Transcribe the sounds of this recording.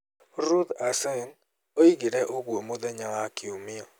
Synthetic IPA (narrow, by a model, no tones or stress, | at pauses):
ɾud̪asɛn | oiɡɪɾɛʔoɡwomod̪ɛɲaŋakiomɪɔ